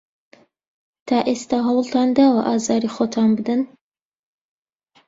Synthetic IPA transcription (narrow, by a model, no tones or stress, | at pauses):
t̪ʰaːʔeːst̪aːɦɑwlˠt̪ʰaːnd̪aːwɐʔaːzaːɾixoːt̪ʰaːnbɨd̪ɨn